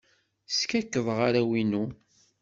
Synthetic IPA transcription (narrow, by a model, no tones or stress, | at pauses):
skækːəðˤʁaɾæwinu